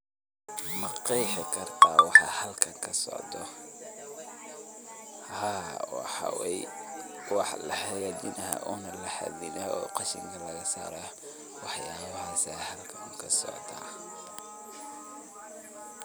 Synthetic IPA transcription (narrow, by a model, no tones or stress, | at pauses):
mɐqɛjħɪkʰɐrt̪ʰaːwɑħɑ̰hɐlkʰɐŋkʰɐsɔ̰ʕd̪ɔ | hawħɑ̰wɛj | wɑħlɐħɐjad̪ɪnʔɐɦa̰ʔɔːnɐlɐħa̰ðɪnaɔ̰ːqɑʃɪ̰ŋkʰɐlɐɣɐsa̰ːɾa | wɑħjaːβhɑːsɐhɐlkʰɐnkʰɐsɔ̰ʕd̪a̰ː